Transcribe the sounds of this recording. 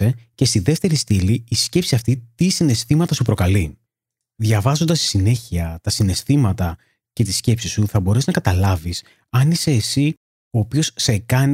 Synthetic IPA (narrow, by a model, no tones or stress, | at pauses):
e̞ce̞st̪iðe̞ft̪e̞ɾist̪iliːsce̞psiɐft̪it̪isine̞st̪imɐt̪ɐsupɾo̞kɐli | ðʝɐvɐzo̞nd̪ɐst̪i̥sine̞çiɐt̪ɐsine̞st̪imɐt̪ɐ | ce̞t̪isce̞psisuθɐbo̞ɾeznɐkɐt̪ɐlɐvis | ɐnise̞ːsi | o̞ːpio̞sse̞kɐn